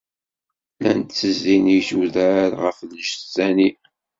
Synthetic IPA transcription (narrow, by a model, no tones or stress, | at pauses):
lænt̪t͡sːəzːinijsuðəɾʁəflːəʃsæni